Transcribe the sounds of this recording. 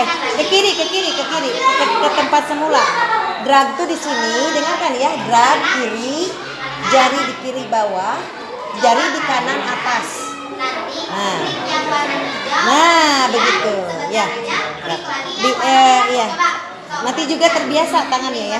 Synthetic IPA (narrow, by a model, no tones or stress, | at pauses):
a | kəkiɾikəkiɾikəkiɾikəkət̪əmpat̪̚səmuladɾaɡ̚t̪udisinidəŋarkanjadɾaɡ̚kiɾi | d͡ʒaɾidikiɾibawah | d͡ʒaɾidikanaŋat̪as | naamannabəɡit̪ujaɾabiʔəija | nant̪id͡ʒuɡat̪ərbiasat̪aŋanɲaja